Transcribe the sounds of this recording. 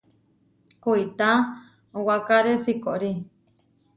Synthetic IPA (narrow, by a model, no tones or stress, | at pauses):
kuit̪a | owakaɾesikoɾi